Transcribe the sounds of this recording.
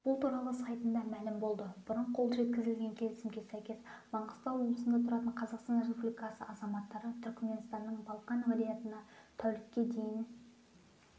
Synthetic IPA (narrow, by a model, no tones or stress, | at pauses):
b̥ʊlˠt̪ʰuɾɑlˠəsɑjt̪ənd̪ɑmælɪmbo̞lˠd̪əb̥ʊɾəɴqʰo̞lˠʒe̞t̪̚kʲɪzɪlɡʲe̞ŋkʲʰe̞lɪsɪmɡʲe̞sæjkʲe̞sb̥ɑɴqəst̪ɑnwo̞blˠəsənd̪ɑt̪ʰʊɾɑt̪əɴqʰɑzɑqst̪ɑnɾrespublʲijkɑsə̰ʔɑzɑmɑt̪ːɑɾət̪ʰʏɾkʲme̞nst̪ɑnːəɴbɑlˠqɑnvolʲijat̪ənɑt̪ʰæwlɪkʲːe̞d̪e̞jɪn